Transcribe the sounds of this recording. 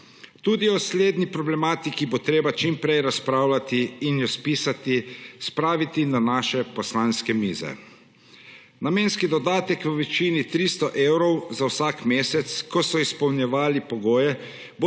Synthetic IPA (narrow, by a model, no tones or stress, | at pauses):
t̪uːd̪iɔsleːd̪nipɾɔblɛmaːt̪ikibot̪ɾeːbat͡ʃimpɾɛjɾaspɾaːwlat̪iːnjɔspiːsat̪ispɾaːʋit̪inanaːʃɛpɔslaːnskɛmiːzɛ̰ | nameːnskid̪ɔd̪aːt̪ɛkʋəʋɛt͡ʃiːnit̪ɾiːst̪ɔʔewɾɔwzawsakmeːsɛt̪skɔsɔispɔwnjɛʋaːlipɔɡoːjɛ | bo